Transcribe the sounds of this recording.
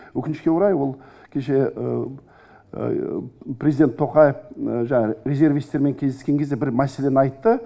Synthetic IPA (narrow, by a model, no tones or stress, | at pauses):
wɵkʲɪnɪʃkʲe̞ʊɾɑjwo̞lˠkʲʰe̞ʃe̞ə̰ | prʲezijd̪e̞nt̪ʰːo̞qɑjefʒɑɑɾʲezʲe̞ɾvijst̪e̞ɾme̞ŋkʲʰezeskʲe̞ŋkʲezd̪ebɪɾmæse̞le̞nɪɑjt̪ːə